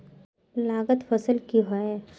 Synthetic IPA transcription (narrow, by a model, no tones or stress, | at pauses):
laːɡət̪fəsəlkiɦoe